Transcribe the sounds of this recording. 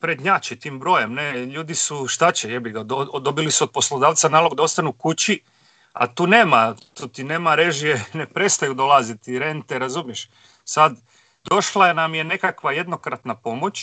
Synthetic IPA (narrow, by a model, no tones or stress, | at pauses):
pɾed̪ɲat͡ɕit̪iːmbɾo̞jemneʎuːd̪isuʃt̪at͡ɕejebiɡad̪od̪o̞bilisuod̪̚po̞slˠo̞d̪aːʋt̪sanaːloɡd̪ao̞st̪anukut͡ɕi | a̰t̪uːne̞ːmat̪oːt̪ine̞ːmaɾeʒijenepɾe̞st̪ajud̪olˠazit̪iɾent̪eɾazumje̞ʃ | sad̪ | d̪o̞ʃlˠanamje̞ne̞kakʋaje̞d̪no̞kɾat̪napo̞mo̞t͡ɕ